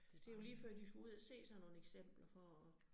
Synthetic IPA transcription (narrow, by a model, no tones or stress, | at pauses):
d̥e̝jo̝liːføɐ̰d̥d̥isɡ̥uuð̞̰ˠæse̝̰ːsɑno̝ːneɡ̥sem̰b̥lɐfɒ